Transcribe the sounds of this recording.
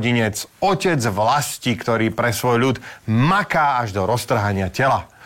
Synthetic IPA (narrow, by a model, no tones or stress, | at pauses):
ɟiɲɛt͡sɔcɛd͡zʋlascikt̪ɔɾiːpɾɛsʋɔjʎut̪makaːaʒd̪ɔɾɔst̪r̩ɦaɲɪacɛla